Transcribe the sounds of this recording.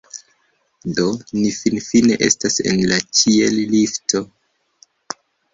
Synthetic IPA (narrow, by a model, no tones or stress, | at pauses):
do̞nifinfine̞ʔe̞̰stase̞̰nlat͡ʃielliftʰo̞